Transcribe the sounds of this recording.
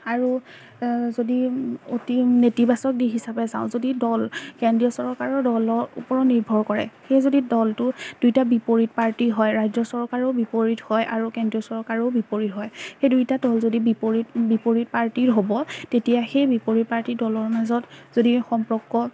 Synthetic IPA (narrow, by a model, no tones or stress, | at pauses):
aɹu | zodiotinetibasɔk̚diɦisapɛza̰ʊ̃zodidɔlkɛndijɔsɔɹkaɹɔɹdɔlɔɹṵpɔɹɔniɹbʱɔɹkɔɹɛ̰xejzodidɔltʊd̥ujtabipoɹit̚paɹtiɦɔjɹajzɔsɔɹkaɹɔʊbipoɹithɔjʔaɹukɛndijɔsɔɹkaɹɔʊbipoɹitɦɔjxejdujtadɔlzodibipoɹitbipoɹit̚paɹtiɹɦobɔtetijaxejbipoɹit̚paɹtidɔlɔɹmazɔtzodixɔmpɹɔkːɔ